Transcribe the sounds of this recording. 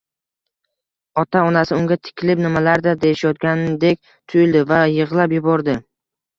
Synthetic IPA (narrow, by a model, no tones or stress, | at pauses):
ɒt̪ʰaɒnasɪʊŋɡʲat̪ʰɪ̥kʲʰɪlɪpnɪmalaɾd̪ad̪ejɪʃajɒt̪̚ɡʲanɪd̪ekʲ | t̪ʰʊjʊld̪ɪvajɨʁlˠapjʊbɒɾd̪ɪ